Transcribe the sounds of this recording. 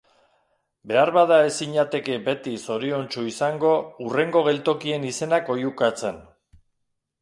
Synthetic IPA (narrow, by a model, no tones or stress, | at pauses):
be̞arβaðae̞siɲat̪e̞ke̞be̞t̪iso̞ɾio̞nt͡ʃuisaŋɡo̞ure̞ŋɡo̞ɣ̞e̞lt̪o̞kie̞nise̞nako̞jukat͡se̞n